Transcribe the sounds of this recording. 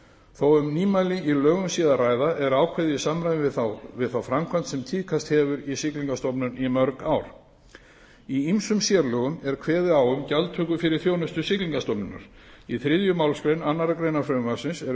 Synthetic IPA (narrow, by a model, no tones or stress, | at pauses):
θowʏmniːmajlɪilœːɣʏmsiːðaraːjðaʔɛɾaːwkʰvɛðɪisamɾajɪθvɪðθawfɾamkʰvant̪sɛmt̪ʰiːðkʰast̪hɛvʏɾisɪkliŋkast̪ɔpnʏnimœɾkaːwɾ̥ | iimsʏmsjɛɾlœɣʏmɛɾ̥kʰvɛːðɪaːwʏmcalt̪ʰʏːkʏfɪɾɪɾ̥θjoːwnʏst̪ʏsɪkliŋkast̪ɔpnʏna̰ɾ̥ | iθɾɪðjʏmaːwlskɾejnanːaɾakɾejnafɾœʏmasɪnsɛɾ